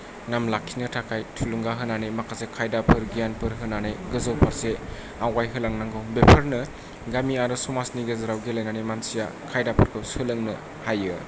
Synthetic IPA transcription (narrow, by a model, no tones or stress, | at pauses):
namlakʰːinɯtʰakʰajtʰuluŋɡaɦɯnanemakʰasekʰajdapʰɯɾɡijanpʰɯɾɦɯnanɯjɡɯzɯwpʰaɾse | awajɦɯlaŋnaŋɡɔbepʰɯɾnɯ | ɡamiaɾɯsumasniɡezɯɾawɡelɯjnanemansija̰kʰajdapʰɯɾkʰɯsɯlɯŋnɯ | hajɯ